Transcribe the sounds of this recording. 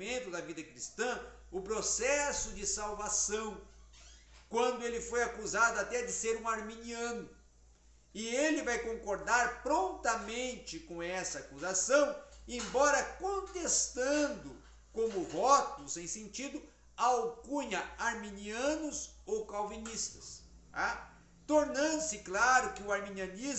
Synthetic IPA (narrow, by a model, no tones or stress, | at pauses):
mẽnt̪ʊd̪ɐvid̪ɐkɾist̪ɐ̃ | ʊpɾosɛsʊd͡ʒɪsawvasɐ̃w̃ | kwɐ̃nd̪ʊelɪfojakuzad̪ʊat̪ɛd͡ʒ̪ɪseɾũaɾminiɐ̃nʊ | ɪelɪvajkõŋkoɾd̪aɾpɾõnt̪ɐmẽnt͡ʃɪkõw̃ɛsɐakuzasɐ̃w̃ẽbɔɾɐkõnt̪est̪ɐ̃nd̪ʊ | kõmʊvɔt̪ʊsẽj̃sẽnt͡ʃid̪ʊ | awkũɲɐaɾmĩniɐ̃nʊzowkawvinist̪ɐ̥sa | t̪oɾnɐ̃nd̪ʊsɪklaɾʊkɪʊaɾmĩniɐniz